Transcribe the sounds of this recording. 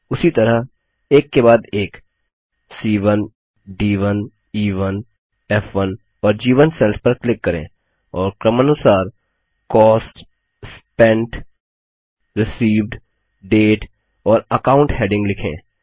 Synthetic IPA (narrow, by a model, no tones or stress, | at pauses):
ʊsit̪ɐɾəɦ | eːkːebaːd̪eːk | siːʋən | ɖiːʋən | iːʋən | ɛfʋən | ɔːɾd͡ʒiːʋənsɛlʈpəɾklɪkːɐɾḛ̃ː | ɔːɾkɾəmənʊsaːɾ | kɔːsʈ | spɛ̃ɳʈ | ɾɪsiːʋɖ | ɖeːʈ | ɔːɾəkaːʊ̃ɳʈɦeːɖɪ̃ŋɡlɪkʰḛ̃ː